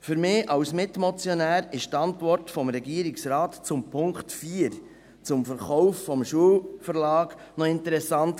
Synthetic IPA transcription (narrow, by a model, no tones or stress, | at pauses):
fʏɾmɪːʔɑwsmɪtmɔt͡sjɔnæːɾɪʃt̪ɑntʋɔrtfɔmɾɛɡiːəɾiksɾɑːt̪t͡sʊmpʰʊŋktfiːəɾ | t͡sʊmfəɾχɔwffɔmʃuəlfəɾlɑːɡnɔɪntəɾɛsɑnt